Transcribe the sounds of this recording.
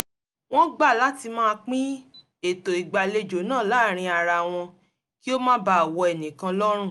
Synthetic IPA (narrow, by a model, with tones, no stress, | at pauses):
w̃ɔ̃˦ɡ͡ba˦˨la˦ti˧mãː˦˧k͡pĩ˦ | e˨to˨i˨ɡ͡ba˨le˧d͡ʒo˨˦nãː˦˨la˦˨ɾ̃ĩ˧a˨ɾa˧w̃ɔ̃˧ | ki˦o˦mãː˦ba˦a˨wɔ˧ɛ˨nĩ˨kã˧lɔ˦ɾ̃ũ˦˨